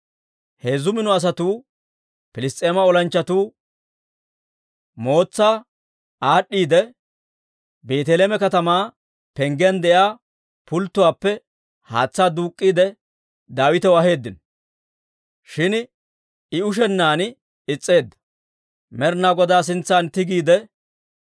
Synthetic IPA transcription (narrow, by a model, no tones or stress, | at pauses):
heːzʊmɪnɔɐs̬ɐt̪uː | pɪlɪst̪ʼe̞ːmɐɔlɐnt͡ʃːɐt̪uː | mo̞ːt͡sːaː | aːɗːiːd̪ɛ | be̞ːt̪ɛleːmɛkɐt̪ɐmaː | pɛŋɡend̪ɛjaː | pʊlt̪ːʊwaːpːɛ | ha̰ːt͡sːaːd̪uːkʼːiːd̪ɛ | d̪aːwɪt̪ɛwɐɦe̞ːd̪ːɪn | ʃɪn | ɪʊʃ̬ɛnːaːn | ɪt͡sʼːe̞ːd̪ːɐ̥ | mɛɾnaːɡɔd̪aːs̬ɪnt͡sːaːnt̪ɪɡiːd̪ɛ